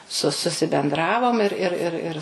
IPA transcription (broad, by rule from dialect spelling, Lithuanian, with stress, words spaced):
sʊ sʊsʲɪbʲɛnˈdrɑːʋoːm ɪr ˈɪr ɪr ˈɪr